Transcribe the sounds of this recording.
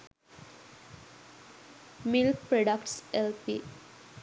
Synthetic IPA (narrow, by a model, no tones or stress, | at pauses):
milkpɾoɖəkʈselpḭ